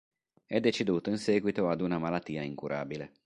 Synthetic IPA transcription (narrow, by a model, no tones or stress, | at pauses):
ɛd̪ːet͡ʃid̪uːt̪oinsɛːɡwit̪oad̪unamalat̪ːiːaiŋkuɾʔa̰ːbile